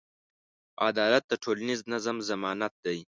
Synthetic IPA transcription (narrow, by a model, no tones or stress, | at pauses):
ad̪ɑːlat̪̚d̪əʈʰolaniznazamzamɑːnat̪̚d̪aj